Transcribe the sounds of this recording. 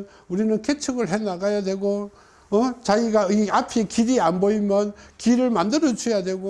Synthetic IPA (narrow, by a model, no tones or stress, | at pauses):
n | uɾinɯnkʰet͡ɕʰɯɡɯɭɦe̞naɡajadwe̞ɡo | ʌt͡ɕaɡiɡaiapʰikiɾianboimjʌnkiɾɯɭmandɯɾʌt͡ɕʰujadwe̞ɡo